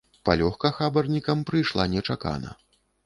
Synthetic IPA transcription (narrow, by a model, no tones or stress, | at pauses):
pa̰lʲɔxkɐxabɐrnʲikɐmpɾɨjʂlˠanʲɛt͡ʂaka̰nɐ̰